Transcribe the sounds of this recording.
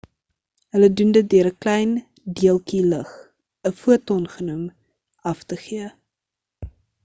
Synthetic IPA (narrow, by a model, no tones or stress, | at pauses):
ɦələdundət̚dyəɾəklɛjn | diəlˠkiləχ | əfuətɔnχənum | ɐftəχiə